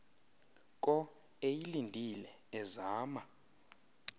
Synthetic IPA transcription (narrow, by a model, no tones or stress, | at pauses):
kʼɔ | ejilindʱilɛ | ɛzaːma